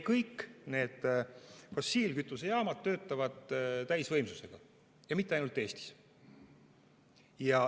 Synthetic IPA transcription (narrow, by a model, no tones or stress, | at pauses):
kɤjkːne̞ːd̪̥fo̞siːlkyt̪ːˑusejɑːmɑd̪̚t̪ːø̞ːt̪ːˑɑvɑd̪̥t̪æjsvɤjmsuse̞ɡ̥ɑ | jɑmit̪ːˑeɑjnult̪ːˑe̞ːst̪i̥s | jɑ